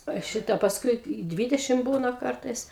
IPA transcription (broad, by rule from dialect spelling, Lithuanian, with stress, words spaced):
ɐ ˈʃʲɪtɐ pɐsˈkʊɪ ɪ ˈdʲʋʲiːdʲɛʃʲɪm ˈbuːnɐ ˈkɐrtɐɪs